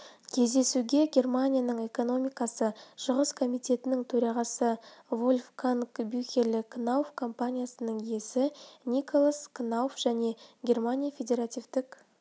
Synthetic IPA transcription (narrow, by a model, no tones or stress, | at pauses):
kʲʰe̞zd̪e̞suɡʲe̞ɡʲe̞rmanʲijanəɴe̞ko̞no̞mʲijkɑsəʃʊʁəskʰo̞mijt̪e̞t̪ɪnɪŋt̪ʰɵɾɑʁɑsəvo̞lʲfkʰankbʏxʲe̞lɪkʰnawfkʰo̞mpanʲijasənəɴje̞sɪnʲikʰo̞lˠaskʰnawfʒ̥æne̞ɡʲe̞rmanʲijafʲe̞d̪ʲe̞ɾat̪ʲivt̪ɪk